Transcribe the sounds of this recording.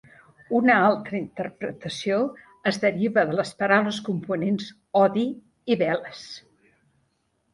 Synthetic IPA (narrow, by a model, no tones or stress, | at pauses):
unəalˠt̪ɾəint̪ərpɾə̰t̪əsio | əzðəɾiβəðələspəɾawləskumpunens | ɔði | iβɛləs